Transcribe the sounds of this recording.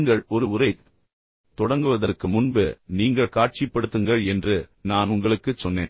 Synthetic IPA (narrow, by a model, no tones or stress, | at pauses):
ŋɡɐɭɔɾɯʊɾɐɪ | t̪ɔɽɐŋɡɯʋɐðɐrkːɯmʊnbɯniːŋɡɐɭkaːʈ̚t͡ʃipːɐɽɯt̪ːɯŋɡɐɭɛndrɯnaːnʊŋɡɐɭɯkːɯt͡ʃsɔnːḛːn